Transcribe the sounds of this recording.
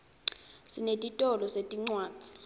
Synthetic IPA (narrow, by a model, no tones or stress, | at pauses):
sinetʼitʼɔlɔsetʼiŋ͡ǀwaːt͡si̥